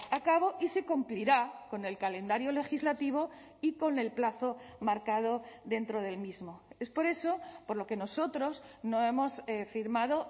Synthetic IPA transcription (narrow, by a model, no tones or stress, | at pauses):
akaβ̞o̞ʔise̞kumpliɾako̞ne̞lkalẽ̞nd̪aɾjole̞xizlat̪iβ̞o̞ | iko̞ne̞lplaθo̞maɾkað̞o̞ðe̞nt̪ɾo̞ð̞e̞lmizmo̞e̞spo̞ɾe̞so̞po̞ɾlo̞ke̞no̞so̞t̪ɾo̞sno̞e̞mo̞sfiɾmaðo̞